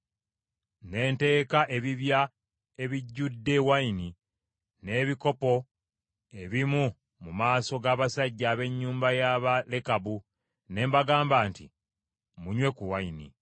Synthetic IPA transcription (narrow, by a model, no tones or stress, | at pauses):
ne̞ːnte̞ːkaʔe̞βiβja | e̞βiɟːudːe̞waini | ne̞ːβiko̞po̞ | e̞βimu | mumaːso̞ɡaːβasaɟːaːβe̞ɲːuːmbajaβalekabu | ne̞ːmbaɡaːmbaːntḭ | muɲwe̞kuwainḭ